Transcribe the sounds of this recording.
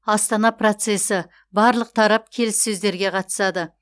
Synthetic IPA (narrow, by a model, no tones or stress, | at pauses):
ɑst̪ɑnɑpro̞t̪se̞sɪ | bɑɾlˠəq̚t̪ʰɑɾɑp̚kʲʰe̞lɪsːɵzd̪e̞ɾɡʲe̞qʰɑt̪ə̥sɑd̪ə